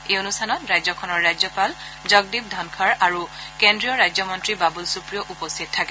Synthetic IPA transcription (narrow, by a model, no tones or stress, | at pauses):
ejonustʰanɔtɹajzɔkʰɔnɔɹːajzɔpal | zɔɡ̚dib̚dʱankʰaɹaɹukendɹijɔɹajzɔmɔntɹibabulsupɹijɔʔupɔstʰit̚tʰːakɛ